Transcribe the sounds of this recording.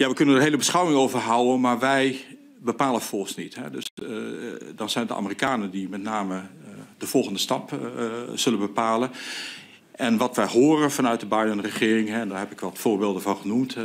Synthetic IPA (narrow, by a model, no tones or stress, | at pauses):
jaʋəkɵnəndəɦeːləbəsχawɪŋowvərɦawənmaɹʋɛj | bəpaːlˠənfɔsnḭthɛ̰døs | dɔnzɛjndəʔa̰mərikaːnədimɛtnaːmədəv̥ɔlˠɣəndəstɑp | z̥ɵlənbəpaːlən | ʔɛnʋɑtʋɛjɦoːrəvɑnœɥt̚dəbajnənrəχɪːrɪŋɦɛɛndaːɹɦɛpɪkʋɔtfoːɹbeːlˠdəvɔnχənumt